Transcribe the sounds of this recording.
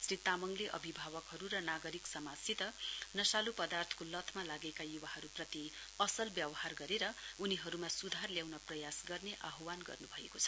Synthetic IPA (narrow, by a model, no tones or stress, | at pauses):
srit̪amʌŋleʔʌ̰bʱibʱaβʌkɦʌɾuɾʌnaɡʌɾiksʌmasit̪ʌnʌsalupʌd̪art̪ʰʌ̥kolʌt̪ʰmalaɡekajuwaɦʌɾuprʌt̪iʌsʌlbjʌbʌharɡʌɾeɾʌuniɦʌɾumasud̪ʱarljawnʌprʌjasɡʌrneʔaɦwanɡʌ̰rnubʱʌekot͡sʰʌ̥